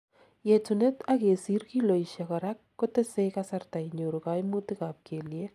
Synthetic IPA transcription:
jetune˦take˨si˦rki˦lo˨iʃa˨kɔɾa˦kːote˦se˦jkasarta˨jɲo˨ɾuka˦jmu˦ti˦kaːp̚kʰeː˨lje˦

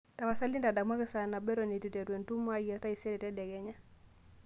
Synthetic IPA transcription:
ta˨wa˨sa˦li˦nda˨da˨kma˦kɛ˨sa˨na˨bɛ˦ɾɔ˨ni˨ti˨tɛ˨ɾwɛ˨ntu˦ma˦ja˨ta˦i˨sɛ˦ɾɛ˨tɛ˦dɛ˨ɡɛ˦ɲa˦

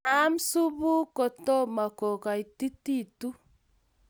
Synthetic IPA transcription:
a˦msu˦bu˦ko˨to˦ma˨ko˨ka˨i˨ti˦ti˦˨tu˦

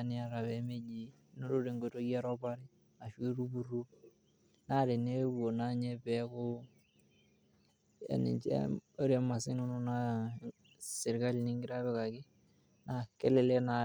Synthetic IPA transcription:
nɪ˦a˦ɾa˨βɛ˦me˦d͡ʒi˦ | no˦ɾo˦ɾe˨ŋɡo˨to˦ja˦ɾɔ˦pa˦ɾɪ˦ | a˨ʃwi˦ɾu˦bu˨ɾu˦ | na˦ɾe˨ne˦bu˨o˨na˦ɲe˦pɛ˦kʊ˦ | a̰˨nḭ˨t͡ʃḛ˦o˦ɾa˦ma˨sɪ˦no˦nu˦na˦ | sɪ˨ɾka˦lnɪ˦ŋɡɪ˦ɾa˦βɛ˦ka˨kɪ˦ | na˨ke˦lɪ˨le˦na˨

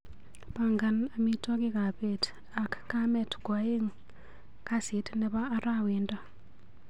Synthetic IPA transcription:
pa˨ŋɡa˨na˨mi˦tɔ˦kɪ˦ka˨pe˨t | a˨kːamɛ˨tɡwa˨˦je˦ŋ | kasɪ˨˦tnɛ˦βaː˦ɾa˦wi˨nda˦

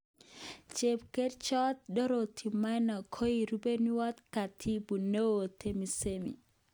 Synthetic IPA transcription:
t͡ʃe˨pke˦ɾt͡ʃɔ˦t̪̚dɔ˦ɾo˨t̪ʰi˨ma˦na˨kʰo˦i˨ɾu˦be˦ni˦wɔ˦t̪ka˨t̪ʰi˦bu˨ne˦wo˨t̪ʰe˦mi˨semḭ˨

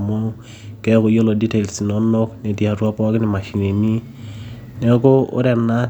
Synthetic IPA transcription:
mo˦ | kɛ˦ko˨jo˦lo˨di˦te˨lsi˨nɔ˨no˦kne˨di˨a˨ɾwa˦pɔ˦kɪ˦nɛ˨ma˨ʃi˨ŋe˨mi˦ | nɛ˨˦ko˦ʊ̰˦ɾɛ˨na˦

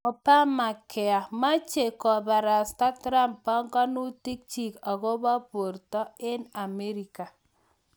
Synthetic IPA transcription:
ɔ˨pa˦ma˨kʰɛ˨a˨ma˦t͡ʃe˨kɔ˨ba˨ɾa˨sta˦tɾa˦mpːa˦ŋɡɔ˦nu˦ti˦k̚t͡ʃi˨ka˨ɣo˦bɔ˦po˨ɾtɔ˦ɪ˦na˨me˦ɾi˨ka˨

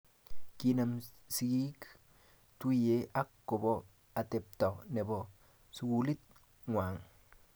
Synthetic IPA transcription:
ki˦na˨m | si˦ɡi˦k | t̪u˦je˦ʔa˦kːo˨bo˦ | a˨t̪e˨p̚t̪a˨ne˨bo˨ | su˨ɡuli˦t̪̚ | ŋwaː˨ŋ

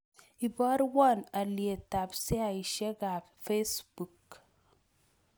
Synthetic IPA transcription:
i˨bɔ˦ɾwɔ˦˨na˨lie˨ta˨psi˦a˨i˨ʃe˦ɡa˨ | fe˦sbu˨k

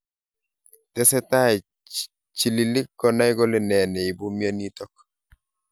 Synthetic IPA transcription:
tɛ˦sɛ˦ta˦˨ | t͡ʃi˨li˨li˦kːɔ˨na˦jɡɔ˦le˦nɛ˨nɛ˨i˨bu˦mja˦ni˦tɔ˦k̚

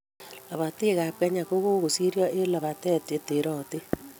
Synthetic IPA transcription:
la˨βa˨te˦ɣa˨kɛ˦ɲa˨ko˦ɣo˦ɣo˨si˦ɾjɔ˦ʔe˦la˨βa˨tɛ˦te˨te˨ɾɔ˦˨te˦

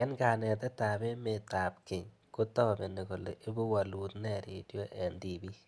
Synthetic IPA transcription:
ɛ˦nka˨nɛ˨t̪ɛ˦t̪a˨bɪ˦me˦t̪a˨p̚ki˨ɲ | ko˦t̪ɔ˦˨be˨ne˨ko˨lḛ˨ʔe˦bo˦wa˨lu˨t̪nɛ˦˨ɾe˨djo˦ʔɛ˨nd̪i˨bi˦

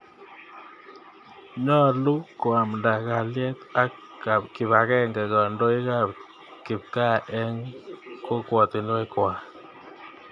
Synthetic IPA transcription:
ɲɔ˦lu˦ko˨a˨m˨nda˨ka˨ljɛ˦t̪a˦k | a˨kɪ˨βa˨kɛ˦ŋɡɛ˨kɔ˨ndo˦i˦ka˨p | kɪ˨p̚ka˦˨ʔɛ˦ŋko˦kwɔ˨t̪i˨n˦wɛ˦kwa˨

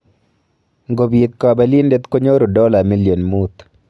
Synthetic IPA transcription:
ŋɡo˨bi˨t̪kɔ˨bɛ˨li˦nde˦t̪ko˦ɲo˦ɾo˨dɔ˦la˨mi˦ljo˨nmu˦t̪

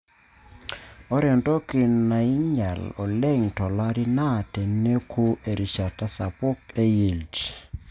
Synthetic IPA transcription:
ɔ˦ɾɛ˨ntʼɔ˦ki˨nːa˨i˦ɲa̰˨lɔ˨le˦ŋtɔ˨la˦ɾi˦na˦˨te˨nnːe˦kʰu˦ʔe˨ɾi˨ʃa˨ta˦sa˨pʊ˦ke˦ji˨ld͡ʒ

